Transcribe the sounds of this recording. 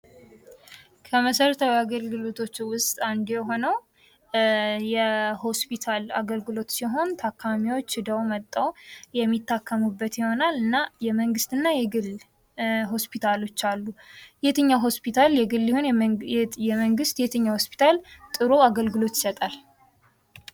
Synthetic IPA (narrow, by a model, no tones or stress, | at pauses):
kʰəməsəɾət̪ʰawjaɡəlɡɨlo̞t̪ʰo̞t͡ʃːwʊst̪ʼand̪ɛɦo̞nəw | jɛho̞spit̪ʰala̰ɡəlɡɨlo̞t̪siɦo̞nt̪ʰakʰːamiwo̞t͡ʃːɨd̪əwmət̪ʼːəwjɛmːit̪ʰːakʰːəmubːət̪jiho̞nalɨnːajɛməŋɡɨst̪ɨnːajɛɡɨl | ɦo̞spʰit̪ʰalo̞t͡ʃːalːujɛt̪ʰɨɲːaɦo̞spʰit̪ʰaljɛɡɨlːihon | jɛməŋɡɨst̪jɛt̪ʰɨɲːaho̞spʰi̥t̪ʰalt̪ʼɨɾoaɡəlɡɨlo̞t̪jɪ̥sət̪ʼal